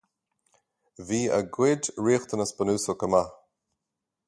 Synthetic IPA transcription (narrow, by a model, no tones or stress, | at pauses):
viːə̰ɡwɪdɹiːxt̪ʰənəsbənuːsəkəma